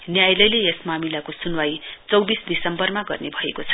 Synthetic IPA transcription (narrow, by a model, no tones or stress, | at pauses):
njajlʌjleesmamilakosunwajt͡sʌwbisd̪isʌmbʌrmaɡʌrnebʱʌekot͡sʰʌ̥